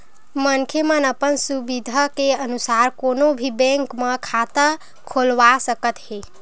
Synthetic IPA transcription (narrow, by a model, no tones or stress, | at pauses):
mənkʰemənəpənsubid̪ʱakeənusaːɾkoːnobʱibɛ̃ŋkmẽkʰat̪ə | kʰolʋasəkət̪ɦe